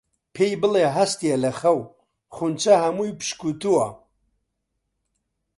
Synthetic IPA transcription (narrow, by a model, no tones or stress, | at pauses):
pʰejbɨleɦɐst̪ijɛlɐxɐw | χunt͡ʃʰɐhɐmujpʰɨ̥ʃkut̪uwɐ